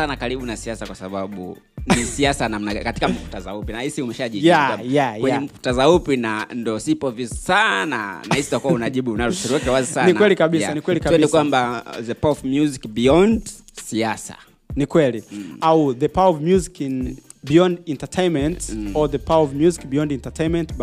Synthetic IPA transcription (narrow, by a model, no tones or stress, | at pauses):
sanakaɾiɓunasiasakwasaɓaɓṵ | nisiasanam̩nakati̥kam̩fu̥tazaupinahisiumɛʃaʄijaajajwɛɲɛm̩fu̥tazaupinandɔsipɔvizsana̰nahisitakuaunaʄiɓuːnaɾusuɾiwakɛwazisaniknawɛlikaɓisanikwɛlikaɛinikwambaðɛpawɔvmjuzikbiɔnd | siasa̰ | nikwɛliauðəpawaɔvmjuzikin | biɔ̃ndɛntatʰejnmɛ̃ntɔðɛpawaɔvmjuzikbijɔ̃ndɛntatʰejnmɛ̃nt